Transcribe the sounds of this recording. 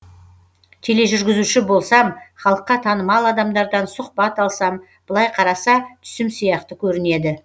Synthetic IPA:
t̪ʲʰe̞le̞ʒʏɾɡʲɪzuʃɪbo̞lˠsɑmχɑlˠəqːɑt̪ʰɑnəmɑlˠɑd̪ɑmd̪ɑɾd̪ɑnsʊq̚pɑt̪ɑlˠsɑm | b̥əlˠɑjqʰɑɾɑsɑt̪ʰʏ̥sɪmsijɑqt̪əkʲʰɵɾɪne̞d̪ɪ

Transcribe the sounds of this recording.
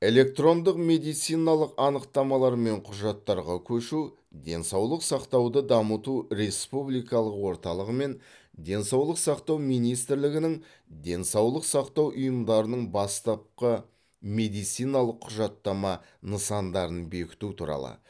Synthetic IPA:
e̞le̞k̚t̪ro̞nd̪əqme̞d̪ijt̪sijnɑlˠəqɑnəqt̪ɑmɑlˠɑɾme̞ɴqʰʊʒɑt̪ːɑɾʁɑkʲʰɵʃu | d̪e̞nsɑwlˠəqsɑqt̪ɑwd̪əd̪ɑmət̪uɾe̞spublijkɑlˠəqwo̞ɾt̪ɑlˠəʁəme̞n | d̪e̞nsɑwlˠəqsɑqt̪ɑwmijnijst̪ɪɾlɪɡʲɪnɪŋ | d̪e̞nsɑwlˠəqsɑqt̪ɑwʔʊjəmd̪ɑɾənəɴbɑst̪ɑp̚qə | me̞d̪ijt̪sijnɑlˠəqʰːʊʒɑt̪ːɑmɑ | nəsɑnd̪ɑɾənbe̞kʲɪ̥t̪ut̪ʰṵɾɑ̰lˠə̰

